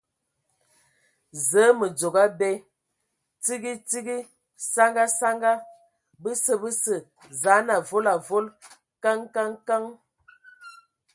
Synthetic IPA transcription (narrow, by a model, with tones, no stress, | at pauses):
zə˨˦mə˨d͡zo˨ɡa˦bɛ˦ | ti˦ɡi˦ti˦ɡi˦ | sa˦ŋɡa˦sa˦ŋɡa˦ | bə˦sə˦bə˦sə˨ | za˨˦na˨vo˦la˨vo˦l | ka˦ŋka˦ŋka˦ŋ